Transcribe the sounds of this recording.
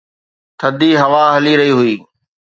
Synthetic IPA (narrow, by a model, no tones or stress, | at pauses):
t̪ʰɐd̪iɦɐʋaɦɐliɾɐɦiɦʊiː